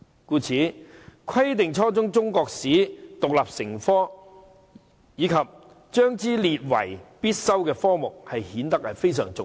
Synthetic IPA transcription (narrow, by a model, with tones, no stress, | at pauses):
kuː˧t͡sʰiː˨˥kʷʰɐ˥jt̪̬ɪ˨ŋt͡ʃʰɔː˥t͡sʊ˥ŋt͡sʊ˥ŋkɔː˧k̚siː˨˥t̪ʊ˨k̚laː˨p̚sɪ˨˩ŋfɔː˥ | jiː˨˧kʰɐ˨p̚ | t͡ʃœː˥ŋt͡siː˥liː˨t̚wɐ̰˨˩jpiː˥t̚sɐ˥wkɛː˧fɔː˥mʊ˨k̚hɐ˨jhiː˨˥nt̪ɐ˥k̚hɐ˨jfe˥jsœː˨˩ŋt͡sʊ˨